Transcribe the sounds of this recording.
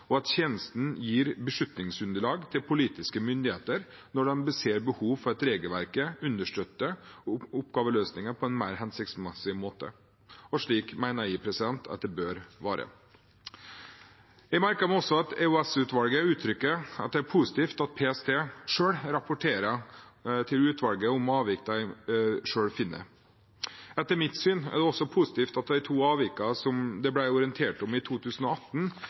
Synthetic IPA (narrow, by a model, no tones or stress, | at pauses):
ɔɑt̪çeːnəst̪n̩jiːɾbəʂʉt̪nɪŋsʉnd̪əɭɑːɡt̪ʰɪlpʰʊliːt̪ɪskəmʏnd̪ɪheːt̪əɾ | nɔɖɑnbəseːɾbəhuːʋfɔɾɛt̪ɾeːɡəlʋæɾkəʉnd̪əʂʈøt̪ːəʊpɡɑːʋəløːsnɪŋəpʰɔɛnmæɪɾɦɛnsɪkt̪smɛsɪmoːt̪ə̰ | ɔʂɭiːkmæɪnəiːpʰɾɛsɪd̪ɛnt̪ʰɑ̰t̪̚d̪ɛbøːɾʋɑːɾə̰ | jɛɡmæɾkəɾmɛɔsːɔɑt̪ɛʉɛsʉːt̪ʋɑlɡəʉːt̪ʰɾʏkːəɑ̰t̪̚d̪ɛæɾpʰuːsɪ̥t̪iːft̪ɑt̪̚pʰeɛst̪ʰeːʂøːɽɾɑpʊʈʰeːɾə | t̪ʰɪlʉːt̪ʰʋɑlɡəʊmɑːʋɪkːd̪æɪʂøːɽfɪnːə̰ɾ | ɛt̪ːəɾmɪt̪syːnæ̰ɖɛɔsːɔpʰʊsɪ̥t̪iːft̪ɑt̪̚d̪æɪt̪ʰuːɑːʋɪkːɑsɔmd̪ɛblæɪɔɾɪənt̪ʰeːʈɔmɪt̪ʰuːt̪ʰʉːsn̩ɔɑt̪n